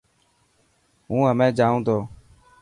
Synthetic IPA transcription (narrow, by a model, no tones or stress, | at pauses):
ɦũːɦəmẽːd͡ʒaːũːt̪ʰoː